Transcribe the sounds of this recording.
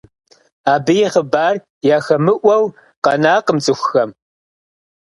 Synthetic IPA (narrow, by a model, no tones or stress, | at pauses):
aːbɨjɛχəbaːr | jaːxɐmɨʔʷɐw | qɐnaːqəmt͡sʼɨxʷxɐm